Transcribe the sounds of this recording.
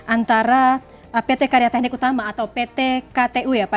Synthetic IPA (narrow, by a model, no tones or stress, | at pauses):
ʔant̪aɾa | pet̪ekaɾijat̪ɛhnɪkut̪amaːt̪awpet̪ekat̪eʔujapa